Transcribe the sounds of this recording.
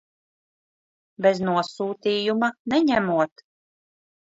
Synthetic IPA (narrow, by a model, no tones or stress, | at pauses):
bɛznuɔsuːt̪iːjumanɛɲæmuɔt̪